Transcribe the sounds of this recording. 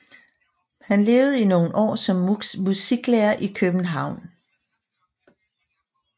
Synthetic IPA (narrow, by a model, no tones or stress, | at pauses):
hænle̝ːʊð̩ˠino̝ːn̩ʔɒ̰ːsɒ̽mːusiɡ̥lɛːɐʔikʰøb̥n̩ɦɑ̈ʊ̰n